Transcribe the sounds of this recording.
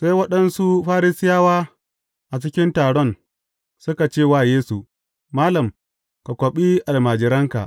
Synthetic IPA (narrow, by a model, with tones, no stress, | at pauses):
sa˦jwɐ˦ɗɐ˦nsu˦ɸaː˦ɾi˦sɪ˦jaː˦waː˦ | ʔa˨t͡ʃɪ˦kʲɪ˦ntaː˨ɽɔ˦˨n | sʊ˦ka˨t͡ʃeː˦˨waː˦˨jeː˦su˨ | maː˦lɐ˨m | ka˨kʷɔ˨ɓi˦ʔa˨lmaː˨d͡ʒɪ˨ɾɐ˦ŋka̰˨ʔ